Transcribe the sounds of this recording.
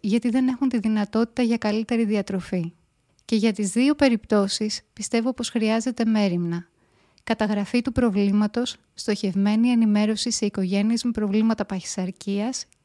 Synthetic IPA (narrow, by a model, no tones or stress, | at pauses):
ʝɐt̪iðe̞ne̞xunt̪iðinɐt̪o̞t̪i̥t̪ɐʝɐkɐlit̪e̞ɾiðiɐt̪ɾo̞fi | ce̞ʝɐt̪izðio̞pe̞ɾipt̪o̞sispist̪e̞vopo̞sxɾiɐze̞t̪e̞me̞ɾimnɐ | kɐt̪ɐɣɾɐfit̪upɾo̞vlimɐt̪o̞sːt̪o̞çe̞vme̞nie̞nime̞ɾo̞siseiko̞ʝe̞niezmepɾo̞vlimɐt̪ɐpɐçi̥sɐɾciɐs